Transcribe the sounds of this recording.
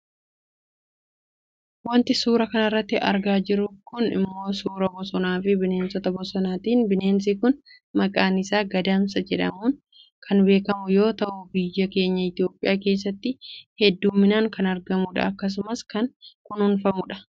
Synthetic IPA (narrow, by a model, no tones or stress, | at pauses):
wɐnt̪ɪsuːɾɐkɐnɐɪrːɐt̪ːɪʔɐɾɡaːd͡ʒɪɾʊkʊnɪ̰mːo̞ːsuːɾɐbɔsɔnaːfɪbɪne̞ːnsɔt̪ɐbɔsɔnaːt̪iːnbɪneːns̬ikʊn | mɐkʼaːnɪsaːɡɐd̪aːmsɐd͡ʒɛᶑɐ̰muːn | kʰɐnbe̞ːkɐmʊjo̞ːt̪ɐʔʊbijːɐke̞ːɲːɐɪt̪ɪjo̞ːpʼːɪjaːke̞ːs̬ːɐt̪ːɪhɛd̪ːuːmːɪnaːŋkɐnɐɾɡɐmʊᶑɐ̰ɐkːɐs̬ʊmɐskɐŋkʊnhʊnfɐmʊᶑɐ̥